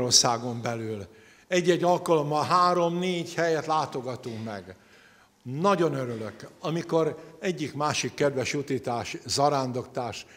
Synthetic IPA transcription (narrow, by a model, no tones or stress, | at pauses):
orsaːɡo̞mbɛlyːl | ɛɟːɛɟːɒlkɒlo̞mbɒɦaːɾo̞mneːɟhɛjɛt̪laːt̪o̞ɡɒt̪uŋkmɛ̰ɡ | nɒɟo̞nøɾyløkɒmiko̞ɾɛɟːikmaːʃikːɛd̪ʋɛʃut̪iːt̪aːʃzɒɾaːnd̪o̞kt̪aːʃ